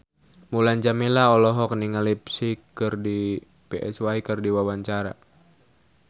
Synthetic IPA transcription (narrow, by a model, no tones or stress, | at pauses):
mulaɲd͡ʒamilaɔlɔɦɔk̚niŋalipsikːɨrdi | pɛʔɛ̰swaikɨrdiwawaɲt͡ʃaɾa̰